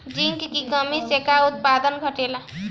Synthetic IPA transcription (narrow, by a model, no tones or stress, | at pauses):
d͡ʒiŋkkikəmisekaut̪̚pad̪ənɡʱəʈela